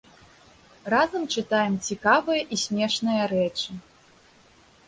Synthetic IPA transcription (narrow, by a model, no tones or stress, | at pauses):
razɐmt͡ʂɨt̪ajɛmt͡sʲikavɨjɐʔisʲmʲɛʂnɨjɐɾɛt͡ʂɨ